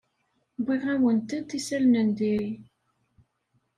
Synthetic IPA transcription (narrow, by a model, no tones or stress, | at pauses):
biʁæwənt̪ət̪ːisælnənd̪iɾi